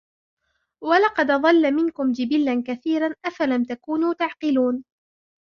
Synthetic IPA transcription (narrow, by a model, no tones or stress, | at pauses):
walɑqɑd̪ʔðˤɑlːamɪnkʊmd͡ʒɪbɪlːankaθiːɾanʔafalamt̪akuːnuːt̪aʕqɪluːn